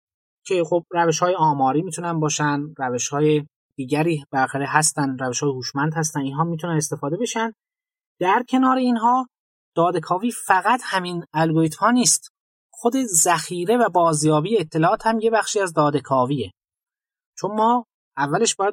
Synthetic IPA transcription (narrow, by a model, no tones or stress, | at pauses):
cʰe̞xo̞b̚ræveʃhɒːjeɒːmɒːɾiːmiːt̪ʰunænbɒːʃænræveʃhɒːje | d̪̥iːɟæɾiːbelæxæɾeɦæst̪ænd̪ɾæveʃɒːjehuːʃmænd̪hæst̪æniːnɦɒːmiːt̪ʰunænest̪e̞fɒːd̪e̞be̞ʃænd̪ | d̪̥æɾcʰe̞nɒːɾe̞inɦɒː | d̪̥ɒːd̪ekʰɒːviːfæɣæt̪ʰhæminælɡoɾiːt̪ʰhɒːniːst̪ | xod̪e̞zæxiːɾe̞væbɒːzjɒːbiːjeːt̪ʰːe̞lɒːɒːt̪hæmje̞bæxʃiːæzd̪ɒːd̪e̞kʰɒːviːe̞ | t͡ʃʰo̞nmɒː | ævːæle̞ʃbɒːjæd̪̚